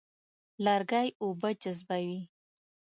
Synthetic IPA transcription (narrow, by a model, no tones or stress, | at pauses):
laɾɡajobəd͡ʒazbawi